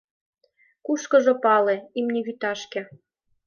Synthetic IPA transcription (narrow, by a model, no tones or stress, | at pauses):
kuʃkɤ̆ʒɤ̆pɑleimniɣyt̪ɑʃkĕ